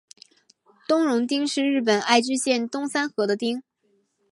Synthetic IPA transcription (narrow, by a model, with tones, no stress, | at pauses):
t̪ʊ˥ŋɻʊ˧˥ŋt̪i˥ŋʂɻ̩˥˧ɻɻ̩˥˩p̬ə˨˩na˥˧ɪt͡ɕy˥ɕjɛ˥˩nt̪ʊ˥ŋsa˥nxɤ˧˥d̪ə˧t̪i˥ŋ